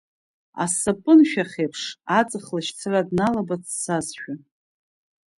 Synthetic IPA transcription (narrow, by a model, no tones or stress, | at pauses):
a̰sapʼɨnʃᶣaχʲejpʰʂat͡sʼɨχlaʃt͡sʰaradnalabat͡sʰsazʃᶣa